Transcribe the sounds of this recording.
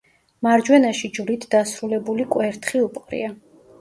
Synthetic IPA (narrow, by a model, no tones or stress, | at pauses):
maɾd͡ʒwɛnaʃid͡ʒlit̪ʰd̪asɾulɛbulikʼwɛɾt̪ʰχiupʼqʼɾḭa